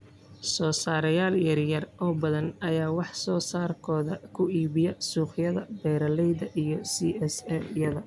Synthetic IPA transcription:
sɔːsaːɾɐjaːljɐrjɐrʔɔːbɐðɐnɐjaːwɑħsɔːsaːrkʰɔːðɐkʰʊiːβɪjɛsuːχjɐðɐbɛːɾɐlɛjðɐʔijɞsiːɛsɛljɐðɐ

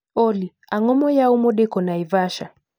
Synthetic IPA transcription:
ɔli | aŋɔmɔjaumɔɗɛkɔnaivaʃa̰

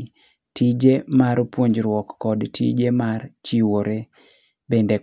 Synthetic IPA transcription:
tid͡ʒemaɾpwoɲd͡ʒɾwɔkːɔdtʰḭd͡ʒemart͡ʃiwoɾe | bende

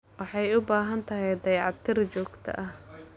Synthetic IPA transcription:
wɑħɑjʊbaːɦɐnt̪ʰɐɦɛjd̪ɐjʕɑt̪ʰːɪɾt͡ʃɔːɡt̪ʰɐ̰ʔɐh

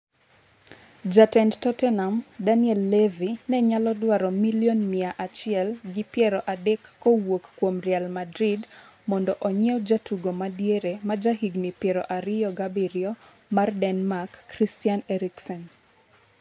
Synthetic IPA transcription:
d͡ʒatɛndtɔtɛnamdaniɛlːɛvinɛɲalɔdwaɾɔmiliɔnmiaʔat͡ʃɪɛlɡɪpjɛɾɔʔadɛkːowokːwomrjalmadɾidmɔndɔʔɔɲɛɔd͡ʒatuɡomadjeɾemad͡ʒaɦiɡnipjɛɾɔʔaɾɪjɔɡabiɾjɔ | mardɛnmakːɾistianɛɾiksɔn

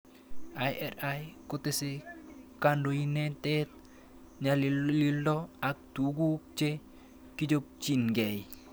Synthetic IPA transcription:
ajɛɾajkotesekandoinetet̚ | ɲallildoak̚tuɡuk̚t͡ʃe | kid͡ʒop̚t͡ʃinɡej

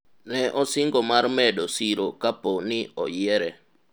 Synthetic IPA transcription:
nɛʔɔsɪŋɡomarmɛdosiɾokaponɪɔ̰jɛɾɛ

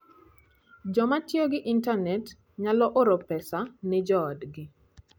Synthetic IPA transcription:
d͡ʒɔmatioɡɪʔintanɛt | ɲalɔʔoɾɔpɛsanɛd͡ʒɔːdɡɪ

